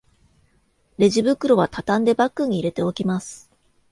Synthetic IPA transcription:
ɾe̞ʑibɯ̟kɯ̟ɾo̞β̞at̪at̪ãnd̪e̞bakːɯ̟ɲ̟iːɾe̞t̪e̞o̞kʲimasɨ̥

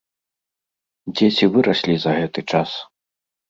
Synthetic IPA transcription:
d͡zʲet͡sʲivɨɾɐsʲlʲizɐɣɛt̪ɨt͡ʂas

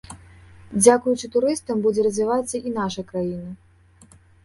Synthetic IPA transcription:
d͡zʲakujut͡ʂɨt̪uɾɨst̪ɐmbud͡zʲɛɾɐzʲvʲivat̪sːɐʔin̪aʂɐjkɾajinɨ

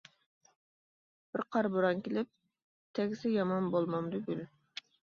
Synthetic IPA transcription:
b̥ɪɾqʰɑɾbuɾɑnkʲilɪp̚ | t̪ʰɛɡʲsɪjɑmɑnbolˠmɑmd̪yɡʲyl

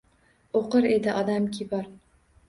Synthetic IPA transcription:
oqɨɾed̪ɪʔɒd̪amkʲʰibɒɾ

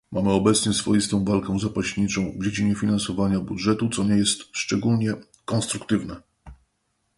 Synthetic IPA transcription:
mʔamɘɔbɛt̪sɲɛsfɔjist̪ɔ̃w̃valkɔw̃zapaɕɲit͡ʂɔ̃w̃vd͡ʑed͡ʑiɲɛfʲinansɔvaɲabudʐɛt̪ut̪sɔɲɛjɛst̪ʂt͡ʂɛɡulɲɛ | kɔ̃nst̪ɾukt̪ɘvnɛ

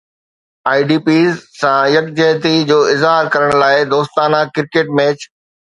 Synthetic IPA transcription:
aːiɖiːpiːzsãjɐk̚d͡ʑɛɦt̪id͡ʑoːɪzɦaːɾkɐɾəɽ̃laːɪd̪oːst̪aːnãkɪɾkeːʈ̚mɛːt͡ɕ

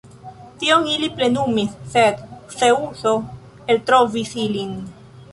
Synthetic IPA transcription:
t̪ioŋiliple̞numisːed̪seuso | elt̪ɾovisilin

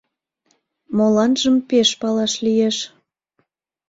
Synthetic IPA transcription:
molɑnʒəmpeʃpɑlɑʃlijeʃ

